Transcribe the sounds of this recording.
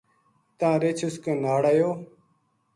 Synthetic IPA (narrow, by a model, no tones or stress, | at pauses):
t̪ãːɾeːt͡ʃʰuskẽːnaːɽajoː